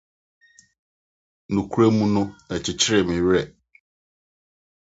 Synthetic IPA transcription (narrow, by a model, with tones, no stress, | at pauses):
nũ˨kʰu˦ɾe˦mũ˦nʊ̃˦ɛ˨t͡ɕʰɪ˨t͡ɕʰɪ˦ɾɪ˨mĩ˨ɥɾɛ˨